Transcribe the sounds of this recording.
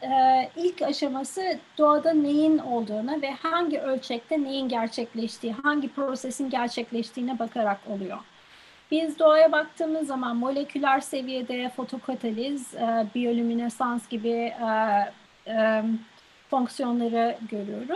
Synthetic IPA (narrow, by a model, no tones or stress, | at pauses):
ɛːilʲcaʃamasɯd̪̥oad̪ane̞jino̞lˠd̪uːnavɛhaɲɟiʔø̞lʲt͡ʃʰɛc̚t̪ʰɛne̞jinɟæɾt͡ʃʰɛclʲɛʃt̪ʰiːɦaɲɟipɾo̞sesinɟæɾt͡ʃʰɛclʲɛʃt̪ʰiːnɛbakʰaɾako̞lˠujo̞̰ | bizd̪o̞ajabak̚t̪ʰɯːmɯzːamanmo̞lʲe̞cʰylʲæɾse̞vijed̪ɛfo̞t̪ʰo̞kʰat̪ʰalʲizbijo̞lʲyminɛsansɟ̥ibi | foŋksijo̞nlˠaɾɯɟø̞ɾyjo̞ɾuz̥